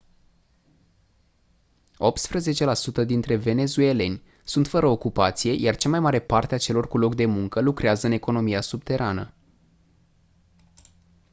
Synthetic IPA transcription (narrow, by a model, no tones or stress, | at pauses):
o̞p̚t̪spɾəze̞t͡ʃe̞lasut̪əd̪int̪ɾe̞ve̞ne̞zue̞le̞nʲ | sunt̪fəɾəokupat̪sije̞jart͡ʃamajmaɾe̞part̪eat͡ʃe̞lo̞rkulo̞kd̪e̞muŋkəlukɾeazəɨne̞ko̞no̞mijasub̚t̪e̞ɾʔanə